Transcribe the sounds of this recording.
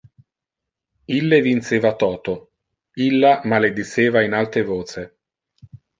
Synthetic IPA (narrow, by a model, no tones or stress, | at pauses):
ilːevinseːvat̪ɔːt̪o | ilːamaled̪iseːvainalt̪ɾevoːse